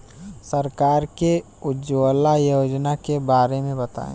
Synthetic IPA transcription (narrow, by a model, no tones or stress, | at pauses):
səɾkaːɾke | ʊd͡ʒoːlajoːd͡ʒnakebaːɾemẽbət̪a̰ːḛ̃